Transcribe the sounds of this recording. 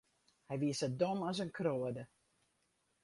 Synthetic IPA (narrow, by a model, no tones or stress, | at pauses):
hɛjʋiəsədonɔsənkʰroədə